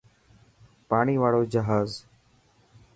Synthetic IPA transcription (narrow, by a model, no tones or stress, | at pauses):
paːɳ̃iːʋaːɽoːd͡ʒəɦaːz